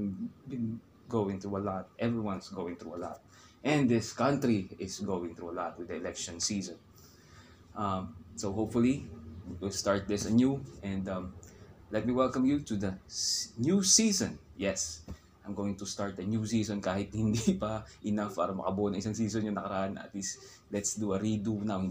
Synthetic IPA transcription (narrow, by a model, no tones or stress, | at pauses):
bɪ̃n | ɡowɪ̃ŋt̪ɹuɐlɔt̪̚ʔɛvɹiwɐ̃nsɡowɪ̃ŋt̪ɹuɐlɔ̰t̪̚ | ʔɛ̃nd̪ɪskɐ̃nt̪ɾiɪsɡowɪ̃ŋt̪ɾuɐlɔt̪̚wɪd̪ɐɛlɛkʃɔ̃nsiːsɔ̃n | ʔamsohopfʊliwɪlst̪aɹt̪̚d̪ɪsɐnjuʔɛ̃nd̪ɐ̃mlɛt̪̚miwɛlˠkɐmjut̪ud̪ɐsnjusisɔ̃njɛs | ʔajmɡoːwɪ̃ŋt̪ʊst̪aɹt̪̚d̪ɐnjusiːsɔ̃nkaːhɪt̪̚hɪnd̪ipɐʔɪnafpaːɾɐmɐ̰kɐboʔonɐŋʔɪsaŋsiːsonjʊŋnɐkɐɾɐaʔanɐ̰t̪lis | lɛt̪sd̪uɐɾid̪una